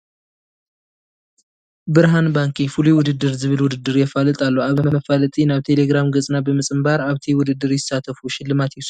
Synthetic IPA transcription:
bɨɾɦanbaŋkʰifuluwʊd̪ɨd̪ːɨɾzɨβɨlwʊd̪ɨd̪ːɨɾjɛfalɨt̪ʼalːoaβməfalɨt̪ʼinaβt̪ʰe̞leɡɾamɡɨt͡sʼnabɨmɨsʼɨmbaɾaβt̪ʰiwʊd̪ɨd̪ːɨɾjɪsat̪ʰəfuʃɪlːɨmat̪jɛs

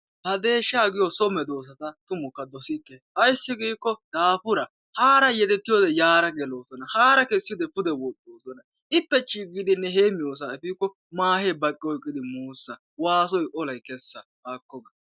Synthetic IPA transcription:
hɐd̪e̞ːʃːaːɡɪjɔsɔmɛd̪o̞ːs̬ɐt̪ɐt̪ʊmɔkːɐd̪ɔsɪkːeʔɐjsːɪɡiːkːɔd̪̥aːpʊɾɐ | haːɾɐjɛt̪ɛt̪ːɪjoːd̪ɛjaːɾɐɡɛlo̞ːsɔnɐhaːɾɐkesːɪjoːd̪ɛpʊd̪ɛwɔtʼːoːsɔnɐ | ʔɪpːɛt͡ʃʼiːɡɪd̪ɪnːɛɦeːmɪjoːs̬aɛfiːkːɔ | maːheːbɐkʼːɪɔjkʼːɪd̪ɪmuːsːɐ | waːs̬ɔjʔɔlɐjkɛsːɐbaːkːɔɡɐ

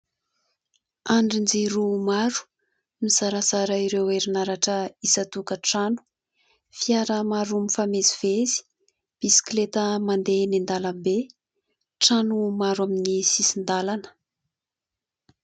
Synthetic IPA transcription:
aɳɖ͡ʐind͡ziɾumaɾu̥ | mizaɾazaɾaiɾeweɾinaɾaʈ͡ʂəisat̪ukəʈ͡ʂanu̥ | fiaɾəmaɾumifameziv̥ezi̥ | b̥isi̥klet̪əmand̪enind̪alambe | ʈ͡ʂanumaɾaminisisind̪alanə̥

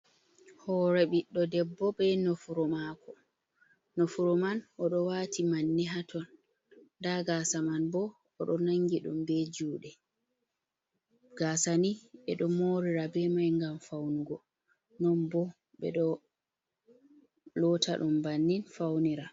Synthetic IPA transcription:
hɔɾɛɓiɗːɔdɛbːɔbɛnɔfuɾɔmakʰɔ | nofuɾɔmanʔɔɗɔwaːtʰimanːiɦatʰɔn | daɡaːsamanbɔː | ɗɔnaŋɡiɗṵmbɛd͡ʒuːɗɛ | ɡ̥aːsaniɓɛɗɔmoɾiɾabɛmajŋɡamfawnuɡɔ | nɔnbɔ | ɓɛ̰ɗɔ | lɔtʰa̰ɗumbanːinfawniɾa

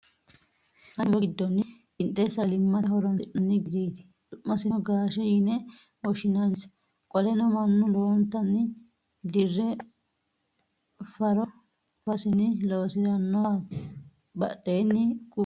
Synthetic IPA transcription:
hɐmɔd̪ːɔnːɪ | ɪnt̪ʼːɛsɐlɪmːɐhɔɾɔnʔɐnːɪɡɪd̪iːd̪ɪ̥ | dʊʔːɐsɪnɔɡaːʃɛjɪnɛ | wɔʃɪnɐns | kʼɔlɛnɔmɐnːɔlɔːnt̪ːɐnːɪ | d̪ɪrːɛ | fɐɾɔ | fɐsɪnɪloːsɪɾɐnːɔ | bɐ̰ɗːeːnːɪkʊ

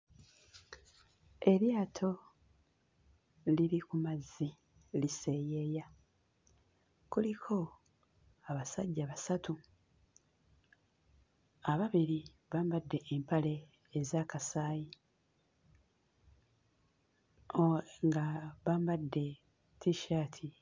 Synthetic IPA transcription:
e̞ɾjaːtʰo̞ | liɾikumazːi | lise̞je̞ja | kulikʰo̞ | aβasaɟːaβasatu | aβaβiɾi | βaːmbadːe̞ʔːmpale̞ː | zaːkasaːji | ŋɡaβaːmbadːe̞ | tʰiʃaːtʰi

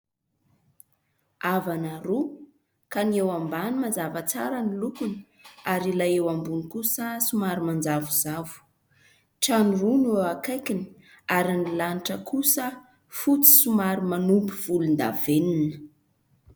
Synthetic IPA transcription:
avanaɾu | kaniewambanimand͡zavət͡sa̰ɾənilukun | aɾilajewambunikusəsumaɾimand͡zavuzavu̥ | ʈ͡ʂanurunewakajkinə̥ | aɾinilaniʈ͡ʂəkʰusə | fut͡si̥sumaɾimanumpiv̥ulund̪a̰veninə̥

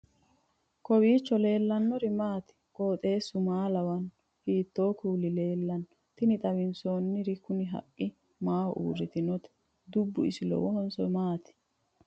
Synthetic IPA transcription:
kɔwiːt͡ʃːɔle̞ːlːɐnːɔɾɪmaːt̪ɪ̥kʼo̞ːt̪ʼe̞ːsːʊmaːlɐwɐn | hiːt̪ːoːkuːlɪle̞ːlːɐn | t̪ɪnɪt̪ʼɐbɪnsoːnːɪɾɪkʊnɪɦɐ̰kʼːɪ | maːwɔ̰ʔṵːrɪt̪ɪnɔt̪ɛ̥ | d̪ʊbːʊ̰ɪ̰sɪlɔ̰wɔhɔnsɔmaːt̪ɪ̥

